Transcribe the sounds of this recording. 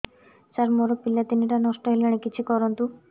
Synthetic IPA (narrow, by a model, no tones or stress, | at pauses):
t͡ɕaɾmoɾopilːat̪iniʈanɔʃʈɔɦeleɽ̃ikit͡ɕʰikɔɾont̪u